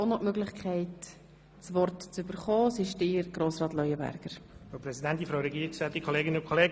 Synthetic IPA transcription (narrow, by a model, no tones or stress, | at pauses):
onoʔmøɡlɪχkʰɛɪt | t͡sʋɔrtt͡sʏbəɾχɔːsɪʃdɪːɾɡ̥ɾoːsɾɑːtlɔjəbæ̰ɾɡ̥əɾopɾɛsidɛntinfɾaʊɾɛɡiːɾksɛt̪ikʰoleːɡɪnəʊ̃nkʰoleːɡ